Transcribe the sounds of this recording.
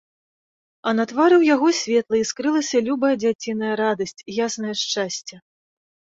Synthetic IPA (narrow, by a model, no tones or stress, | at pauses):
ɐnɐt̪vaɾɨwjaɣɔsʲvʲɛt̪lˠɐiskɾɨlˠɐsʲɐlʲubɐjɐd͡zʲat͡sʲinɐjɐɾad̪ɐsʲt͡sʲjasnɐjɐʂt͡ʂasʲt͡sʲɐ